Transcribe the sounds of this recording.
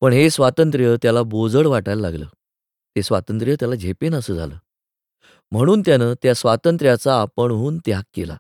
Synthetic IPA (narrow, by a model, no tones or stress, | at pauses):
pəɳɦesʋat̪ənt̪ɾjət̪jalabod͡zəɽʋaʈalla̰ɡlə̰ː | t̪esʋat̪ənt̪ɾjət̪jalad͡ʑʱepenəsəːd͡zʱa̰lə̰ː | m̤əɽ̃uːnt̪janəːt̪jasʋat̪ənt̪ɾjat͡saːpəɳɦuːnt̪jakːela̰